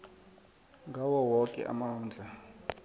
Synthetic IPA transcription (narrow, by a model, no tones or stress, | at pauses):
ŋɡʱawɔwɔkʼɛ̰ʔa̰maɦuːnd͡ɮʱa